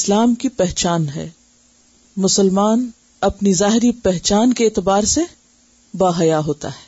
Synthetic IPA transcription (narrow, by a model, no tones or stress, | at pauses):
ɪslaːmkipɛɦt͡ʃaːnɦɛ̰ː | mʊsəlmaːn | ɐpnizaːɦɪɾipɛɦt͡ʃaːnkeeːt̪ɪbaːɾse | baːɦɐjaɦoːt̪a̰ɦɛː